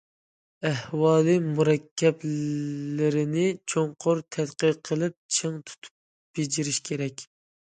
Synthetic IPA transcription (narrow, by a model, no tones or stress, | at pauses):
æhwɑːlˠɨmuɾɛkʲʰːɛbllɪɾɪnɪt͡ʃʰoŋqʰʊɾt̪ʰɛd̪qəqʰːəlˠɪp̚t͡ʃʰɨŋt̪ʰu̥t̪ʰu̥p̚ | b̥ed͡ʒiɾɪʃkʲʰeɾɛkʲ